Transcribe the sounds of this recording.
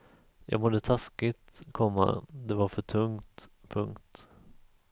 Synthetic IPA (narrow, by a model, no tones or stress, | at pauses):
jʔɑ̰ːɡmɔd̪ət̪ʰaskɪt̪kʰɔmːa̰d̪ɛvaɾfœʈʰɵŋt̪pʰɵŋkt̪